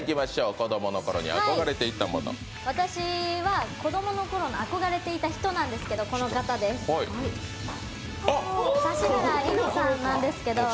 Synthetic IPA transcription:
kʲimaɕo̞ːko̞d̪o̞mo̞noko̞ɾo̞̰ɲ̟ḭa̰hakaoiɡaɾe̞t̪e̞it̪ːamo̰no̰ | βat̪aɕiβako̞d̪o̞mo̞no̞ko̞ɾo̞ɲiako̞ɡaɾe̞t̪e̞it̪açi̥t̪o̞nãnd̪esɨ̥ke̞d̪o̞ko̞no̞kat̪ad̪e̞sɨihai | saɕinaɡainosãnːãnd̪e̞sɨ̥ke̞d̪o̞

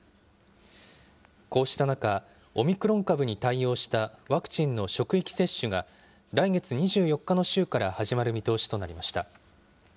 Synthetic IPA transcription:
ko̞ːɕi̥t̪anaka | o̞mʲikɯ̟ɾõ̞ŋkabɯ̟ɲ̟it̪aio̞ːɕi̥t̪aβakɯ̥t͡ɕĩnːo̞ɕo̞kɯ̟ikʲi̥se̞ɕːɨɡa | ɾaiɡe̞t͡sɨɲ̟iʑɨːjo̞kːano̞ɕɨːkaɾahaʑimaɾɯ̟mʲit̪o̞ːɕi̥t̪o̞naɾʲimaɕi̥t̪a

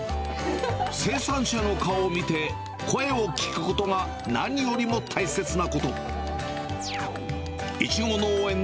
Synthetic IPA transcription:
se̞ːsãɰ̃ɕano̞kaomʲit̪e̞ | kʰo̞e̞o̞kʲi̥kɯ̟̥ko̞t̪o̞ŋa | naɲ̟ijo̞ɾʲimo̞t̪ʰaise̞t͡sɨnako̞t̪o̞ | it͡ɕiɡo̞no̞ːẽ̞n

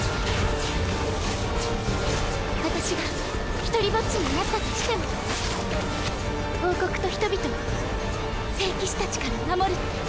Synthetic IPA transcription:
βat̪aɕiɡa | çi̥t̪o̞ɾʲibo̞t͡sɨnonat̪at̪oɕi̥t̪e̞mo | ho̞ːko̞kɯ̟̥t̪o̞çi̥t̪o̞bʲit̪o̞ma | se̞ːkʲiɕi̥t̪at͡ɕi̥kaɾamamo̞ɾɯ̟

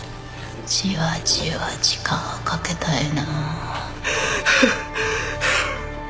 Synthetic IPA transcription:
t͡ɕiβat͡ɕiβat͡ɕi̥kʰaokʰaket̪aina

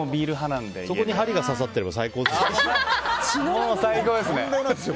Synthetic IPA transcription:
obʲiːɾɯ̟ɦanãnd̪eso̞ko̞ɲ̟iɦaɾʲiɡasas̬at̪ːe̞ɾe̞basaiko̞ː | t͡ɕinosaiko̞ːd̪esɨne

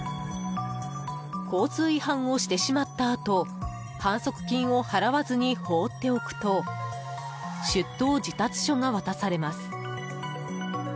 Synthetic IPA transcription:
ko̞ːt͡sɨːihãɰ̃o̞ɕi̥t̪e̞ɕimat̪ːaːt̪o̞ | hãɰ̃so̞kɯ̟̥kʲĩɰ̃o̞haɾaβazɨɲ̟iho̞ːt̪ːe̞o̞kɯ̟̥t̪o̞ | ɕɨt̪ːo̞ːd͡ʑit̪at͡sɨ̥ɕo̞ŋaβat̪asaɾe̞masɨ̥

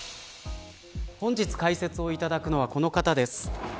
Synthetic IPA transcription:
hõ̞ɲ̟d͡ʑit͡sɨ̥kaise̞t͡sɨo̞it̪ad̪akɯ̟no̞βako̞no̞kat̪ad̪e̞sɨ̥

